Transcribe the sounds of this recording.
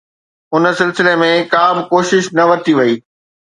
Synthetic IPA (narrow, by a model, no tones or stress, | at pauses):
ʊnə̆sɪlsɪlemẽkaːmkoːʃɪʃnɐʋɐɾt̪iʋɐiː